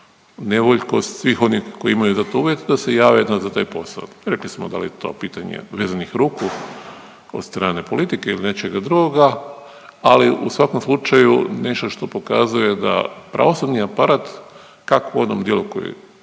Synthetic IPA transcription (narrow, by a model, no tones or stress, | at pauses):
ne̞ʋoʎkost̪sʋixo̞nixko̞jiimajuzat̪ouʋjet̪d̪ase̞jaːʋeed̪nazat̪aːjpo̞sa̰lɾe̞klismod̪a̰lḭjet̪o̞̰piːt̪aɲḛʋeːzanixɾuːku | od̪st̪ɾaːne̞po̞lit̪ikeiline̞t͡ʃeɡad̪ɾuɡoɡa | aliʔusʋako̞mslˠut͡ʃajune̞ʃt̪oʃt̪o̞po̞ka̰zujed̪a̰pɾa̰ʋosubniapaɾat̪ | kakoo̞d̪nomd̪jelukojḛ